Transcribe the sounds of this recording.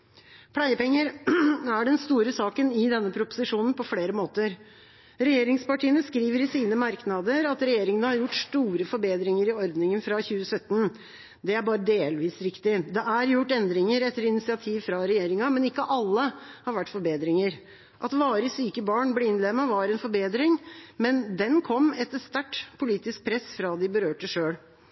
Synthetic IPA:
pʰlæɪəpɛŋːəɾæɖɛnst̪uːɾəsɑːkənɪd̪ɛnːəpʰɾʊpʊ̥sɪʂuːnn̩pʰɔfleːɾəmoːt̪əɾ | ɾɛjeːɾɪŋspɑʈʰiːənəskɾiːʋəɾɪsiːnəmɑɾknɑd̪əɾɑt̪ɾɛjeːɾɪŋənəhɑɾjʊʈːʂʈ̪uːɾəfɔɾbeːd̪ɾɪŋəɾɪɔɾd̪nɪŋənfɾɑçʉːəsœt̪ːn | d̪ɛæɾbɑːɾəd̪eːlʋiːsɾɪkt̪ɪd̪ɛæɾjʊʈːɛnd̪ɾɪŋəɾɛt̪ːəɾɪnɪsɪɑt̪ʰiːʋfɾɑɾɛjeːɾɪŋɑmɛnɪkːəʔɑlːəhɑɾʋæʈːfɔɾbeːd̪ɾɪŋəɾ | ʔɑt̪ʋɑːɾəsyːkəbɑːɳblɛɪnlɛmɑʋɑːɾɛnfɔɾbeːd̪ɾɪŋmɛnd̪ɛnkʰɔmːɛt̪ːəst̪æʈːpʰʊliːt̪ɪsk̚pʰɾɛsfɾɑd̪ɪbəɾøːʈəʂøːɽ

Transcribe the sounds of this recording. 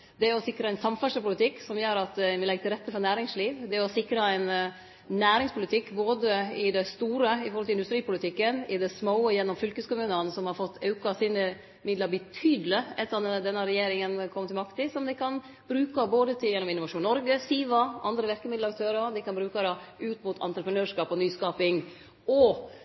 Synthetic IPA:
d̪ɛæɔsɪkɾɑæɪnsɑmfɛʂəɾpʊlɪt̪ʰɪkːsɔmjøːɾɑt̪mɪlɛɡːət̪ɪlɾɛt̪ːəfɔɾnæːɾɪŋsliːʋd̪ɛɔsɪkɾɑæɪnː | næːɾɪŋspʰʊlɪt̪ʰɪkːboːd̪əɪd̪ɛst̪uːɾəɪfɔɾhɔlɪnd̪st̪ɾiːpʊlɪt̪ʰɪkːənɪd̪ɛsmoːəjɛnːɔmfʏlkəskʊmʉːnənsɔmhɑɾfɔt̪ːɑʉkɑsiːnə | mɪd̪ləɾbət̪ʰyːd̪ələɛt̪ːəɑnd̪ɛnːəɾɛjeːɾɪŋənkʰɔmːət̪ɪmɑkt̪ɪsɔmd̪ɛɪkʰɑn | b̥ɾʉːkɑboːd̪ət̪ʰɪjɛnːɔmɪnʊʋɑʂuːnːɔɾɡəsiːʋɑɑnd̪ɾəʋɪɾkəmɪd̪lɾkt̪ʰøːɾɑd̪ɪkɑnbɾʉːkɑɾɑʉːt̪mʊt̪ʰɑ̰nt̪ɾəpɾənøːʂkɑːpɔnyːskɑːpɪŋ | ɔ

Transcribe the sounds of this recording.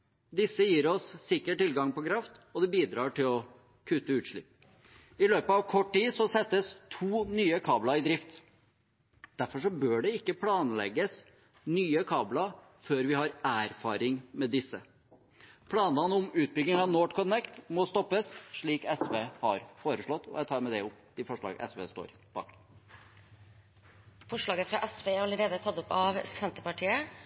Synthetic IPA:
d̪ɪsːəjiːɾɔsːɪkːəʈʈːɪlɡɑŋpɔkʰɾɑft̪ɔd̪ɛbiːd̪ɾɑːʈɪlɔ | kʰʉːt̪əʉːt̪ʂɭɪ̰pː | ɪløːpəɑʋkʰɔʈːʈiːsɔsɛt̪ːəst̪ʰuːnyːəkʰɑːblɑɪd̪ɾɪft̪ | d̪̥æɾfɔʂɔbøːɖɛɪkːəpʰlɑːnlɛ̰ɡəs | nyːəkʰɑːblɑ | føːɾʋɪhɑɾæːɾfɑːɾɪŋmɛd̪ɪsːə | pʰlɑːnɑnəʊmʉːt̪̚bʏɡ̪ɪŋɑʋnoːʈkʰɔnɛkt̪mɔst̪ɔpːəsʂɭiːkɛsʋeːhɑɾfoːɾəʂɭɔt̪ːɔ̰jæt̪ʰɑːɾmɛd̪ɛʊpːd̪̥ɪfɔʂɭɑ̰ːɡə̰ʔɛ̰sʋḛːst̪o̰ːɾ | b̥ɑ̰ːk | fɔʂɭɑːɡəfɾɑʔɛsʋeːɑɾɑləɾeːd̪ət̪ʰɑt̪ːɔpɑʋsɛnt̪əpɑʈʰiːə

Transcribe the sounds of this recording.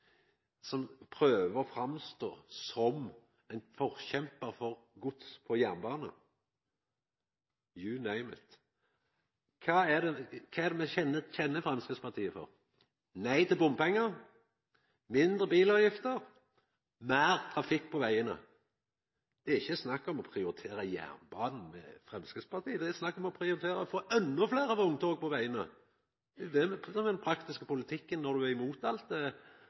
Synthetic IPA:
sɔmpʰɾøːʋəɾɔfɾɑmst̪o̰ːsɔm | æɪnfɔʁçɛmpəʁfɔʁɡʊt̪spʰɔjænbɑːnə̰ | jʉnæɪmə̰t̪ | kʰɑːæd̪ɛkʰɑːɛd̪ɛmɛçɛnːəçɛnːəfɾɑmskəspɑt̪ʰiːəfɔ̰ʁ | næɪt̪ɪlbʊmpɛŋːəʁ | mɪnd̪ɾʁəbiːlɑʋjɪft̪əɾ | mæːɾt̪ʰɾɑfɪkːpʰɔʋæɪənə̰ | d̪̥ɛæɾɪçːəsnɑkːɔmɔpʰɾɪʊɾɪt̪ʰeːɾəjæ̰ːʁnbɑːnn̩mɛ̰fʁɛmskəspʰɑɾt̪iːəd̪ɛɛsnɑkːɔmɔpʰɾɪʊɾɪt̪ʰeːɾəɔfoːʔɛnːɔfleːɾɑʋʊŋt̪ʰoːɡ̚pɔʋæɪənə | ɛd̪ɛmɛsɔmɛd̪ɛnpʰɾɑkt̪ɪskəpʊlɪt̪ʰɪkːənːɔd̪ʉæɪmuːt̪ɑlt̪ɛ

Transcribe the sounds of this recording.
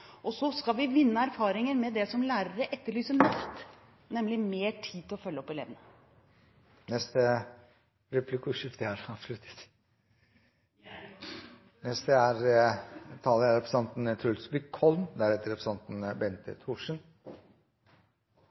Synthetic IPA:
ʔɔsɔskɑʋɪʋɪnːəæɾfɑːɾɪŋəɾmɛd̪ɛsɔmlæːɾəɾəʔɛt̪ːəɭyːsənɑft̪ | nɛmlɪmeːʈʰiːt̪ʰːɪlɔfœlːəɔpːɪlḛːʋənə | nɛst̪ə | ɾɛplɪkʉːʃɪft̪əhæɾɑːʋslʉt̪ə̥t̪ | nɛst̪əæɾ | t̪ʰɑːləæɾɛpɾəsɑnt̪n̩t̪ʰʉlsbɪkʰːɔlnd̪æɾɛt̪ːəɾɛpɾsɑnt̪nbɛnt̪ə̰t̪ʰuːʂən

